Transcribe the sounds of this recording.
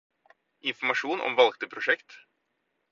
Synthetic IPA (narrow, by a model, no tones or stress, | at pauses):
ɪnfɔɾmaʂuːnɔ̰mvalɡ̚t̪əpʰɾʊʂɛkt̪